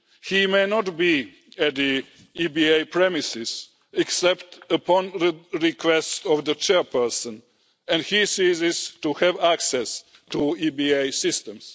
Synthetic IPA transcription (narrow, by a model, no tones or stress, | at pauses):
himeɪnɔtbi | æt̪ði | ibieɪpʰɹɛmɪsɪz | ɛksɛptəpʰɔ̃nɹikʰwɛstɔvðət͡ʃɛɹpə˞sə̃n | ɛ̃ndhisizɪz̥tuhɛvæksɛs | tuibieɪsɪstə̃ms